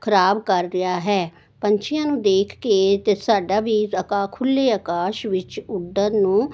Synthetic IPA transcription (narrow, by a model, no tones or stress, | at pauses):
kʰəɾaːbkəɾːɪjaːɦɛː | pəɲt͡ʃʰɪjãːnũːd̪eːkʰkeːt̪eːsaːɖaːʋiːəkaːkʰʊlːeːəːkaːʃʋɪt͡ʃʊɖənũː